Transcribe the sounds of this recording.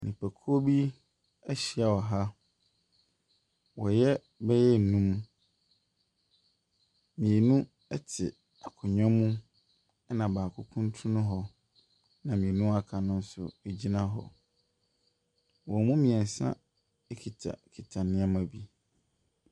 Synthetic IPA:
nĩ˨pʰæ˨kʰu˦o˦bi˦ | ɛ˦ɕi˨a˨wɔ˨ɦa˦ | wɔ˨jɛ˦ | bɛ˦jɛ˦˨nũ˦m | mĩ˨e˨nũ˦ | ɛ˦tʰɪ˨ | a˨kʰʊ˨ɲᶣã˦mũ˦ | ɛ˦nã˨baː˨kʰʊ˦kʰũ˦ntʰũ˦nʊ̃˦ɦɔ˨ | nã˨mĩ˨e˨nũ˦a˦kʰa˨nʊ̃˦n̩˦sʊ̰˨e˨d͡ʑi˦nã˦ɦɔ̰˨ | wɔ˨mũ˦mĩ˨ɛ˨n̩˨sã̰˦ | ɛ˦kʰi˨tʰa̰˨kʰi˨tʰa˨nɪ̃˦a˦mã˨bi˦

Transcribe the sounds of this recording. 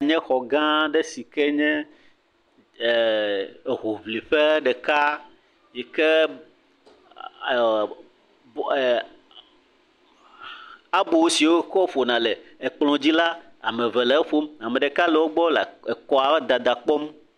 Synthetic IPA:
a˨ɲɛ̃˦xɔ˨ɡã˦ɖɛ˦si˨kɛ˦ɲɛ̃˦˨ | ɦo˨vli˨ɸɛ˦ɖɛ˨ka˦ | jɛ˨kɛ˦˨ | a˨bo˨wsi˨wo˦kɔ˦fo˨nã˨lɛ˨e˨k͡plɔ̃˨d͡ʑi˦la˦ | a˨mɛ̃˨vɛ˨lɛ˨˦ɸo˦ma˨mɛ̃˨ɖɛ˨ka˦lɛ˨wo˦ɡ͡bɔ˦la˨e˨kɔ˦a˨wɛ˦d̪a˨d̪a˨k͡pɔ˦m

